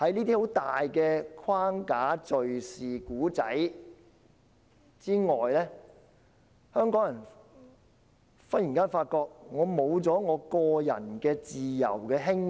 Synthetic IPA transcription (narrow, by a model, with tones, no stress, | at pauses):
hɐ˨˥jniː˥t̪i˥ho˨˥wt̪aː˨jkɛː˧kʰwaː˥ŋkaː˨˥t͡sɵ˨ɥsiː˨kuː˨˥t͡sɐ̰˨˥j | t͡siː˥ŋɔː˨jlɛː˥ | hœː˥ŋkɔː˨˥ŋjɐ˨˩n | fɐ˥t̚jiː˨˩nkaː˥nfaː˧t̚kɔː˧k̚ŋɔː˨˧mo˨˧wt͡sɔː˨˥ŋɔː˨˧kɔː˧jɐ̰˨˩nkɛː˧t͡siː˨jɐ̰˨˩wkɛː˧ɦɪ˥ŋ